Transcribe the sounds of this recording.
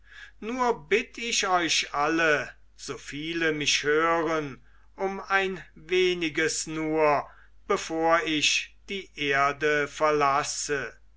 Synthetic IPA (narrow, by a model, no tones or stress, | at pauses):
nuːɐbɪtɪʃɔʏɕʔalə | z̥oːfiːləmɪʃhøːʁən | ʔʊmaɪnveːnɪɡəsnuːɐ | b̥əfoːɐɪʃd̥iːʔeːɐdəfɛɐlasə